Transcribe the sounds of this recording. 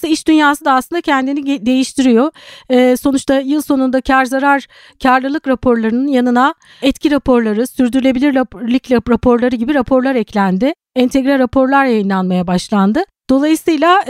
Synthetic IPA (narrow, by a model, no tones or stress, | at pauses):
ɯiʃd̪ynjaːsɯd̪aːslˠɯnd̪acʰɛnd̪inid̪e̞jiʃt̪ʰiɾijo̞ɛːso̞nut͡ʃt̪ʰajɯlˠso̞nund̪acʰaɾzaɾaɾ | cʰaɾlˠɯlˠɯkɾapʰo̞ɾlˠaɾɯnɯnjanɯna | ɛt̪cʰiɾapʰo̞ɾlˠaɾɯsyɾd̪yɾlʲe̞bilʲiɾlʲiclʲɾapʰo̞ɾlˠaɾɯɟibiɾapʰo̞ɾlˠaɾɛclʲænd̪ɪ | ɛnt̪ʰɛɡɾɛɾapʰo̞ɾlˠaɾjajɯnlˠanmajabaʃlˠand̪ɯd̪̥o̞lˠajɯsɯjlʲˠa